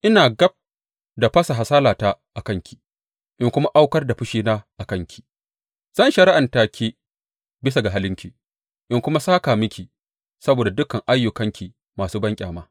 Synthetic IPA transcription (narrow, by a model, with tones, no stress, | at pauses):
ʔɪ˦naː˨ɡɐ˦b̚ | da˨ɸɐ˦sa˨ɦa˨saː˦laː˨ta˦ʔa˨kɐ˦ŋkʲi˨ | ʔɪ˦ŋkʷʊ˦ma˦ʔa˦wkɐ˦rda˨ɸʊ˦ʃiː˦naː˦ʔa˨kɐ˦ŋkʲi̥˨ | z̥ɐ˦nʃɐ˨ɾɪ˦ʔa˨ntaː˨kʲʰiː˦ | bɪ˦s̬a˨ɡa˨ɦa˦lɪ˦ŋkʲi˨ | ʔɪ˦ŋkʷʊ˦ma˦saː˦kaː˨mɪ˦kʲi˨ | sɐ˦boː˨da˨dʊ˦kɐ˨ŋʔa˦jːʊ˨kɐ˦ŋkʲi˨ | maː˨suː˦bɐ˦ŋkʲʼaː˨maː˦